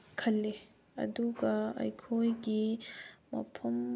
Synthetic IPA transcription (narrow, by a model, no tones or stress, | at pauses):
kʰɐlːe | ɐ̰d̪uɡaɐ̰jkʰojɡimɐ̰pʰɐm